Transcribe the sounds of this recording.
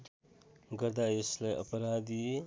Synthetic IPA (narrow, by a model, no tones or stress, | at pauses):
ɡəɾd̪aesleʔɐ̰pɾaːd̪i